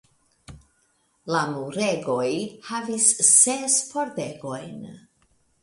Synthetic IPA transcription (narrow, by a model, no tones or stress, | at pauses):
lamuɾeɡo̞jhavisːespo̞ɾdeɡo̞jn